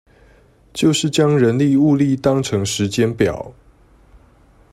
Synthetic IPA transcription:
t͡ɕjo˥˧ʊʂɻ̩˥˩t͡ɕjɑ˦ŋɻə˨˦nli˥˧˨u˥˧li˥˨t̪ɑ˦˥ŋʈ͡ʂʰɤ˨˦ŋʂɻ̩˨˦t͡ɕjɛ˦npjɑ̰˨˩˦ʊ

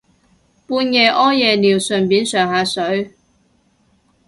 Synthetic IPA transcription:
puː˧njɛː˨˧ʔɔː˥jɛː˨˧niː˨˩wsɵ˨npiː˨˥nsœː˨ŋhaː˨˧sɵ˨˥ɥ

